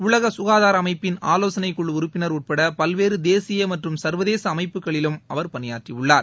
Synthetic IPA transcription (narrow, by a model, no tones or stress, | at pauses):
ʊɭɐɣɐsʊɣaːðaːɾɐmɐɪpːɪnaːloːsɐnɐɪkːʊɭːʊɾɯpːɪnɐɾuːʈ̚pɐɽɐpɐlʋeːɾɯd̪eːsɪjɐmɐʈrɯmsɐɾʋɐðeːsɐːmɐɪpːɯɣɐɭɪlɯmɐʋɐɾpɐnɪjaːʈriʊɭːaːɾ